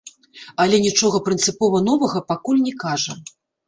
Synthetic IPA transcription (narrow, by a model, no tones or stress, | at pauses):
ɐlʲɛnʲit͡ʂɔɣɐpɾɨnt̪sɨpɔvɐn̪ɔvɐɣɐpakulʲnʲɛkaʐɐ